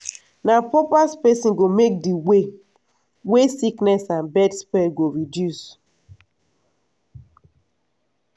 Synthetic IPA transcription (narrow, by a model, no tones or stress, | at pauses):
napɔpaspɛsĩnɡomek̚diwe | wesiknɛsãnbɛtspɛɡoɹidjus